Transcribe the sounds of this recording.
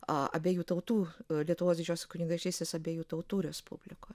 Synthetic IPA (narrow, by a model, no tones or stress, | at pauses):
ɐ̰ɐ̰bʲeːjuːt̪ɐʊt̪uːlʲiɛt̪ʊʋoːsʋʲɪd͡ʒʲoːsʲkʊnʲɪŋɡɐʃt͡ʃʲɛɪsʲt̪ʲesɐbʲeːjuːt̪ɐʊt̪uːɾʲɛspʊ̰bʲlʲɪkoːj